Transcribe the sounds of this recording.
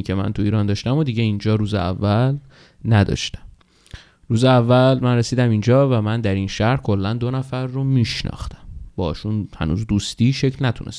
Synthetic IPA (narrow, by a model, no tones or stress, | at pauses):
icʰemæ̰nt̪ʰuiːɾɒːnd̪ɒːʃt̪æmod̪iɟeind͡ʒɒːɾuːzeæ̰vːæl | næd̪ɒ̰ːʃt̪æ̥m | ruːzeævːælmænresiːd̪æmind͡ʒɒːvæmænd̪æɾinʃæhɾhkʰolːænd̪o̞næfæɾːomiːʃnɒ̰ːxt̪æ̥mbɒ̰ːʃunhæ̰nṵːzd̪uːst̪iːʃecʰlnæt̪ʰunʔes